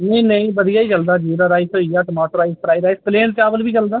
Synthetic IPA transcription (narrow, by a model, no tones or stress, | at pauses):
nəĩnəĩːbəd̪ijaːiːt͡ʃəld̪aːd͡ʒiːɾaɾaːɪsɦoːiːjaːʈəmɔːʈəɾaːɪspɾaːiɾaːispleːɳʈ̚t͡ʃaːbəlbiːt͡ʃəld̪aː